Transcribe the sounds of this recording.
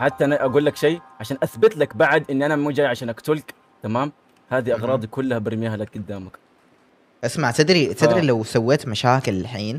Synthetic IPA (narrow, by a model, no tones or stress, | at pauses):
ħat̪ːaʔanaʔaɡuːlːakʃejːʕaʃaːnʔaθbɪt̪lakbaʕad̪ʔɪnːiʔanamuːd͡ʒaːjʕaʃaːnakt̪ulk | t̪amaːm | haːd̪iʔɑɣɾˤɑːd̪ˤikʊlːahabɪɾmjaɦalak̚ɡʊd̪ːaːmak | ʔasmaʕt̪ɪd̪ɾit̪ɪdɾilawsawːeːt̪maʃaːkɪlħiːn